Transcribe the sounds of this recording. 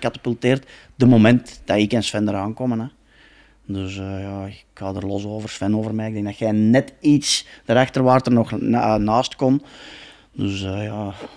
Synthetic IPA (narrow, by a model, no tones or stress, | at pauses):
kɑtḁpylˠteːrt | dəmomɛntd̥ɑɪkɛnsfɛndəɾaːnkɔmənɛ | dɵsjɑːkhɑːdərlɔsoːvərsfɛnoːvərmɛːɪɡ̚dɛŋɡdɑtxɛːnɛtitsd̥əɾɑxtərʋaːrtərnɔxnaːstkɔn | dɵsəjɑː